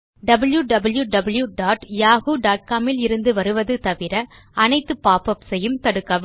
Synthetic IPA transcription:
ɖɐbɐljuɖɐbɐljuɖɐbɐljuɖaːʈjaːɣuɖaːʈ̚kaːmɪlɪɾɯnd̪ɯʋɐɾɯʋɐðɯt̪ɐʋɪɾɐ | ɐnɐɪt̪ːɯpːaːpɐpsɛjːɯmt̪ɐɽɯkːɐʋ

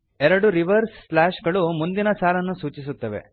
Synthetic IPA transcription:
ɛɾɐɽuɾiʋɐɾsːlaːʃɡɐɭumund̪inɐsaːlɐnːusuːt͡ʃisut̪ːɐʋḛ

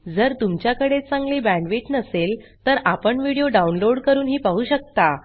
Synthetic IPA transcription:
d͡zəɾt̪umt͡ɕjakəɽet͡sãŋɡliːbæ̃ɳɖʋiʈnəselt̪əɾapəɳʋiɽijoɖaunloɽkəɾuːnɦiːpaɦuːɕək̚t̪a

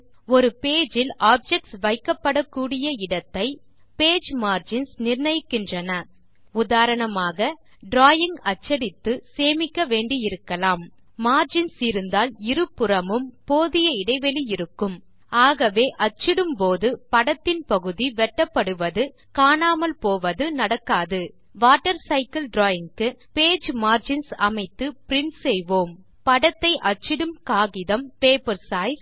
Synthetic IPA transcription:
ɔɾɯpeːd͡ʒɪlʔaːp̚d͡ʒɛk̚ʈsʋɐɪkːɐpːɐɽɐkːuːɽɪjɐɪɽɐt̪ːɐɪ | peːd͡ʒmaːɾd͡ʒɪnsnɪɾnɐjkːɪndrɐnɐ | ʊðaːɾɐɳɐmaːɣɐ | ɖɾaːjɪŋɡɐt͡ʃːɐɽɪt̪ːɯseːmɪkːɐʋeːɳɖijɪɾɯkːɐlaːmː | aːɾd͡ʒɪnsɪɾɯnd̪aːlɪɾɯpːɯɾɐmɯmpoːðɪjɐɪɽɐɪʋɛlijɪɾɯkːɯm | aːɣɐʋeːʔɐt͡ʃːɪɽɯmpoːðɯpɐɽɐt̪ːɪnpɐɣɯðiʋɛʈːɐpːɐɽɯʋɐðɯ | kaːɳaːmɐlpoːʋɐðɯnɐɽɐkːaːðɯ | ʋaːʈːɐɾsɐɪkɐlɖɾoːɪŋkɯpeːd͡ʒmaːɾd͡ʒɪnsɐmɐɪt̪ːɯpɪɾɪnsɛjʋoːm | pɐɽɐt̪ːɐɪʔɐt͡ʃːɪɽɯmkaːɣɪðɐmpeːpɐɾsaːɪs

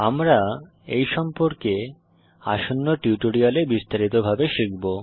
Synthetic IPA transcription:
amɾa | ejʃɔmpoɾke | a̰ʃonːoʈiuʈoɽialebist̪aɾit̪obʱabeʃikbo

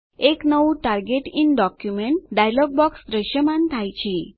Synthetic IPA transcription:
eknəʋũʈaɾɡeʈinɖɔkjumeɳʈ̚ɖajlɔɡ̚bɔksd̪ɾəʃjəmant̪ʰajt͡ʃʰe

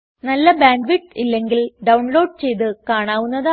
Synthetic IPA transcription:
nɐlːɐbaːɳɖʋiʈːilːe̞ŋɡilɖɐwɳlo̞ːɖ̚t͡ɕe̞jt̪ɨkaːɳaːʋunːɐða

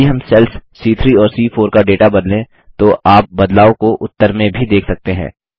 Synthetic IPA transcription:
iɦɐmsɛlssiːt̪ʰɾiːɔːɾsiːfʰoːɾkaɖeːʈabɐd̪lẽ | t̪oʔaːp̚bɐd̪laːokoʔʊt̪ːəɾmẽbʱid̪eːkʰsɐk̚t̪eɦɛ̰̃ː

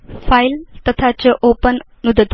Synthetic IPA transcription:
pʰajlt̪ɐt̪ʰat͡ʃɐʔopɐnːud̪ɐd̪

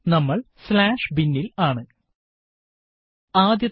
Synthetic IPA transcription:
nɐmːɐɭslaːʂbinːilaːɳɨ | aːd̪jɐ

